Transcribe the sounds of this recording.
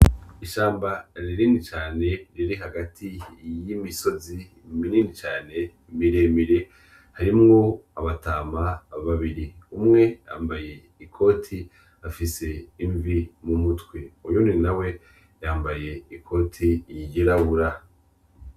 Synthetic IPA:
iʃaːmbaɾiɾiːnit͡ʃaːne̞ɾiɾiɦaɡatʰijimiso̞zi | mininit͡ʃaːne̞ | miɾemiɾe | haɾimŋo̞aβataːmaβaβiɾiumŋe̞ja̰ːmbaje̞ | ikʰo̞ːtʰi | afise̞iɱvimumutwe̞ujuninawe̞ | jaːmbaje̞ikʰo̞ːtʰijiɟeɾaβuɾa

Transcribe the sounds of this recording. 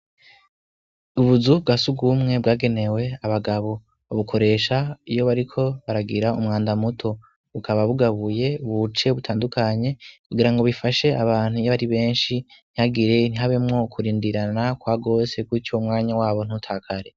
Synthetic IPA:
uβuzub̚ɡasuɡumŋe̞bɡaːɡe̞ne̞we̞aβaɡaβo̞ | uβukʰo̞ɾe̞ːʃaijo̞βaɾikʰo̞βaɾaɡiɾaumŋaːndamutʰo̞ | βukʰaβaβuɡaβuje̞βut͡ʃe̞βutʰaːndukʰaɲe̞kuɡiɾaŋɡo̞βifaʃe̞aβaːn̥hujaɾiβe̞ːnʃin̥ihaɡiɾe̞n̥iɦaβe̞mŋo̞kʰuɾiːndiɾanakwaːɡo̞ːsekwit͡ʃomŋaːɲawaːβo̞n̥utʰaːkʰaɾe̞

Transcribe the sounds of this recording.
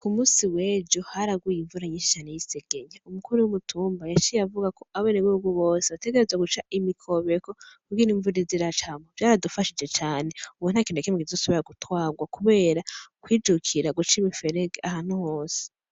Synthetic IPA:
kumuːsiweːd͡ʒohaɾaɡwujiɱvuɾaɲiʃi̥ʃanijiseɡ̥eɲaumukuɾuwumutʰuːmbajat͡ʃijavuɡako̞aβeneβuuɡuβo̞ːseβate̞ɡe̞ɾe̞zwaɡut͡ʃaʔimikʰo̞βekokuɡiniɱvuɾiziɾat͡ʃamovjaːɾadufaʃid͡ʒe̞t͡ʃaːne̞uβunakineakimikizosoβiɾaɡutwaːɡwakuβe̞ːɾakwiːd͡ʒukʰiɾaɡut͡ʃimife̞ɾeɡeaɦaːn̥huho̞ːse̥

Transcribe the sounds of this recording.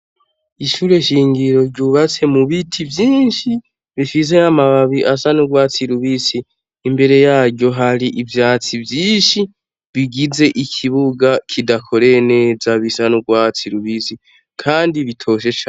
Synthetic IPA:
iʃuːɾe̞ʃiːŋɡiɾo̞ɾɟuβat͡se̞muβitʰivjiːnʃi | βifis̬e̞amaβaβiʔasanuɡwaːt͡siɾuβisiː | mbe̞ɾe̞jaːɾɟɟjo̞ɦaɾiʔivjaːt͡sivjiːnʃi | βiɡize̞ʔikʰiβuɡakʰidakʰo̞ɾe̞ne̞ːzaβisanuɡwaːt͡siɾuβisi | kʰaːndiβitʰo̞ʃ̬e̞t͡ʃa

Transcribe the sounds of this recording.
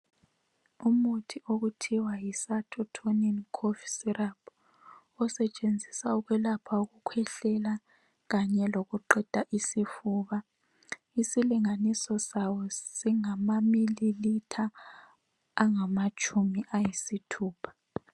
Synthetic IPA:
umutʰioɣutʰiwajisatʰɔtʰoniɔnkʰɔfisirab | ɔsɛt͡ʃʼend͡zʱisauɣwɛlapʰauɣukʰwɛɬɛla | ɣaɲɛloɣuǃɛd̥ʱaʔisifuːβa | isiliŋanisɔsawɔsiŋamamililitʰa | ŋamat͡ʃʰʼumiʔajisitʰuːpʰḁ

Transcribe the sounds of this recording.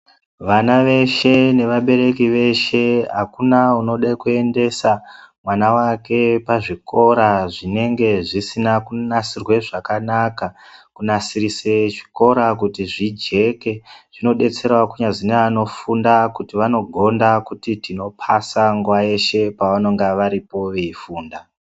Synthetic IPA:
ʋanaʋe̞ʃe̞ne̞ʋaɓe̞ɾe̞kiʋe̞ʃe̞ɦakunauno̞ɗekue̞nde̞samwanawake̞paʐikʰo̞ɾaʐine̞ŋɡe̞ʐisinakunasirwe̞ʐakanakakunasirise̞ʐi̥ko̞ɾakutiʐid͡ʒe̞ke̞ʐ̥ino̞ɗe̞t͡se̞ɾwakuɲaʐineano̞fundakutiʋano̞ɡʱo̞ndakutitino̞pʰasaŋɡuwaje̞ʃe̞paʋano̞ŋɡaʋaɾipo̞ʋeifuːnda

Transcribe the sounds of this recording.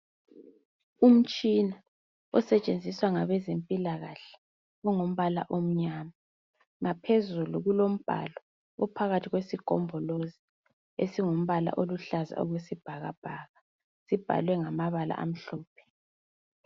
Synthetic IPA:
um̩t͡ʃʼina | ɔsɛt͡ʃʼend͡zʱiswaŋaβɛzempʼilaɣaɬɛ̥ | ɔŋom̩βala̰ʔom̩ɲama | ŋapʰezuluɣulom̩b̥ʱa̰lɔ | ɔpʰaɣatʰiɣwesiɡ̥ʱɔ̰mbʱɔlozi | esiŋom̩βala̰ʔoluɬaza̰ɔ̰ɣwesib̥ʱaɣa̰b̥ʱaːɣa | sib̥ʱa̰lwɛŋamaβala̰ʔa̰m̩ɬɔːpʰɛ̥

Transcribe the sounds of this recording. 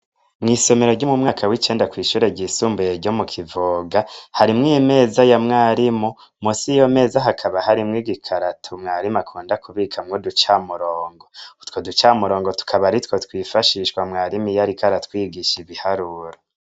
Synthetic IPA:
mŋiːso̞me̞ɾo̞ɾɟomumŋaːkʰawit͡ʃe̞ːndakwiːʃuːɾe̞ɟiːsuːmbujeɾɟomukʰivoɡahaɾimŋime̞ːzajamŋaːɾimo | musijome̞ːzaɦakʰaβahaɾimŋiɡikʰaɾatʰumŋaːɾimakʰuːndakuβikʰamŋodut͡ʃamuɾoːŋɡo̞twodut͡ʃamuɾo̞ːŋɡo̞tu̥kʰaβaɾitwotwiːfaʃiʃkwamŋaːɾimijaɾikaɾatwiːɡiʃiβihaɾuːɾo

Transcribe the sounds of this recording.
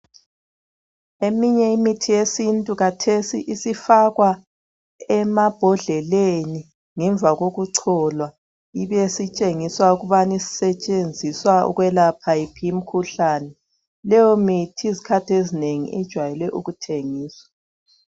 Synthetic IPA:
emiɲɛimitʰijesintʼuɣatʰesḭʔisifaɣwa | ɛmab̥ʱɔɮɛleni | ŋɛɱb̪vʱaɣoɣuǀʰɔlwa | iβesit͡ʃʼeŋiswauɣuβanisi̥sɛt͡ʃʼend͡zʱiswaṵɣwɛlapʰajipʰijim̩kʰuɬanɛ | lɛjomitʰiizikʰatʰiezineŋḭʔid̥ʒ̥ʱwajɛlɛʔuɣutʰeŋiːswḁ

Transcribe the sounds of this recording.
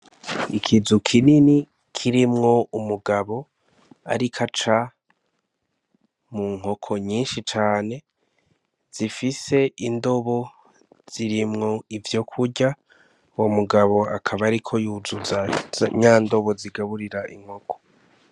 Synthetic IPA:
ikʰizukʰinini | kʰiɾimŋo̞umuɡaβo̞ | a̰ɾikʰat͡ʃa | muŋ̥ɦo̞kʰo̞ɲiːnʃit͡ʃaːne̞ | z̥ifise̞indo̞βo̞ | z̥iɾimŋo̞ivjo̞kʰuɟa | womuɡaβo̞akʰaβaɾikʰo̞juzuzaɲaːndo̞βo̞ziɡaβuɾiɾaʔḭŋ̥ho̞kʰo̥

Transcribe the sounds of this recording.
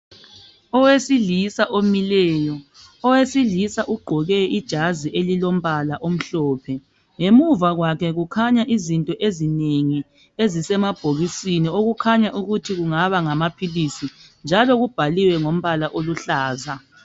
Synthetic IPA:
ɔwesilisaʔomilɛːjɔ | ɔwesilisaʔuɡ͡ǃʱɔɣɛʔid̥ʒ̥ʱaziʔelilom̩βalaʔom̩ɬɔːpʰɛ | ŋemuvaɣwakʰɛɣukʰaɲaʔizintʼɔʔezineŋi | ezisɛmab̥ʱoɣisinioɣukʰaɲaʔuɣutʰiɣuŋaβaŋamapʰilisind͡ʒʱalɔɣub̥ʱaliwɛŋom̩βalaʔoluɬaːza

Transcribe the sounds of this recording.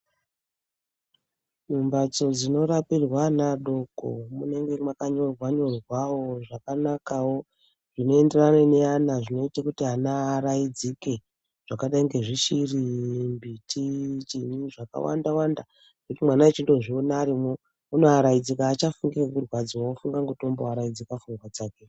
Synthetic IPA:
numbad͡zo̞d͡zino̞ɾapirwanaɗo̞ɡʱo̰mune̞ŋɡe̞makaɲo̞rwaɲo̞rwawoʐakanakawo̞ | ʐ̥ino̞e̞nde̞raneneanaʐino̞itakutianaːɾaid͡zike̞ | ʐ̥akaɗaiŋɡe̞ʐiʃirimbitit͡ʃiɲiʐaka̰wa̰ndawanda | ʐ̥eutimwanaet͡ʃindo̞ʐionaːɾimo | uno̞aɾaid͡zikaːt͡ʃafuŋɡiraŋɡurwad͡ziwofuŋɡaŋɡutomboaɾaid͡zikafuŋɡwat͡saːke̞

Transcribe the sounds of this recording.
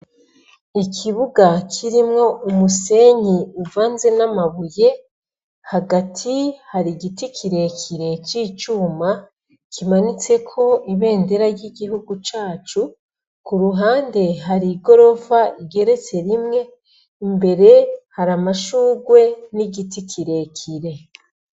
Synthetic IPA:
ikʰiβuɡakʰiɾimŋo̞ʔumuse̞ɲiuvaːnze̞namaβuje̞ | haɡatʰihaɾiɡitikʰiɾe̞kʰiɾe̞t͡ʃiːt͡ʃuːma | kʰimanit͡se̞kʰo̞iβe̞ːnde̞ɾaɾjiɡiɦuɡut͡ʃaːt͡ʃu | kuɾuɦaːnde̞ɦaɾiɡo̞ɾo̞vaiɡe̞ɾe̞t͡se̞ɾimŋe̞ | imbe̞ɾe̞haɾamaʃuːɡwe̞niɡitikʰiɾe̞kʰiɾe̞

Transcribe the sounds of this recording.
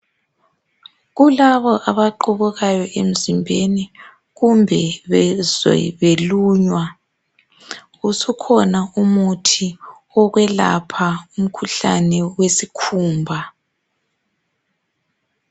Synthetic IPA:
ɣulaβɔʔaβaǃuβuɣajɔʔem̩zimbʱeni | ɣumbʱɛβɛz̰βeluːɲwa | usukʰɔnaumutʰi | ɔɣwɛla̰pʰaum̩kʰuɬa̰nɛwesikʰuːmbʱa

